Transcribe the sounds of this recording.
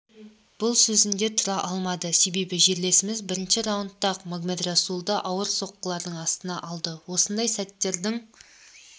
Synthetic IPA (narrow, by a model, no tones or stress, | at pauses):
b̥ʊlˠsɵzɪnd̪e̞t̪ʰʊɾɑʔɑlˠmɑd̪əse̞be̞bɪʒe̞ɾle̞sɪmɪzbɪɾɪnʃɪɾɑwənt̪ːɑqmaɡmet̪rɑsulˠd̪ɑʔɑwəɾso̞qːəlˠɑɾd̪əɴɑst̪ənɑʔɑlˠd̪əwo̞sənd̪ɑjsæt̪ːe̞ɾd̪ɪŋ